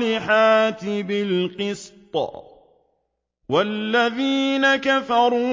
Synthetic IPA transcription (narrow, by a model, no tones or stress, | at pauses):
lɪħaːt̪ɪbɪlqɨst̪ˤɑ̰ | walːaðiːnakafɑɾˤuː